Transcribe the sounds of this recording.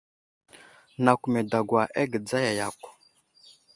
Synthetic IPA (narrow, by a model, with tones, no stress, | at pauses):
na˨kʷu˨me˨da˨ɡwa˨ʔe˦ɡə˨d͡za˦ja˨ja˨kʷ